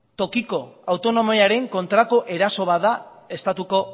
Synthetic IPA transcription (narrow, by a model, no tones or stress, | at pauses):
t̪o̞kiko̞awt̪o̞no̞moaɾe̞ŋko̞nt̪ɾako̞ʔe̞ɾaso̞βaðae̞st̪at̪uko̞